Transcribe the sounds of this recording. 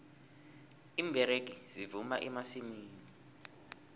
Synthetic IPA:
iːmbʱɛɾeɡ̬iz̥ivumaʔɛmasimiːni

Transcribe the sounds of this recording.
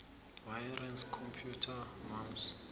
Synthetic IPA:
vajɾɛnskʰɔmpʰjutʰamams

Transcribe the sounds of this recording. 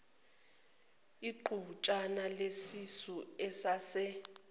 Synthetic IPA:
iǃuut͡ʃʼanalesisuɛsasɛ

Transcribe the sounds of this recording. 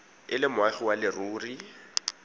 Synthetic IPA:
ɪlɪmʊaɣɪwalɪruːri

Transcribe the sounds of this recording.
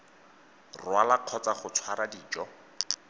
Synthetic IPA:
rwalaq͡χʰɔt͡saχʊt͡sʰwaɾadiːt͡ʃʼɔ

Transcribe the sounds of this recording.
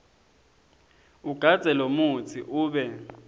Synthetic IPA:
uɡ̥ʱḁd͡z̥ʱɛlomut͡sʰiʔuːɓɛ

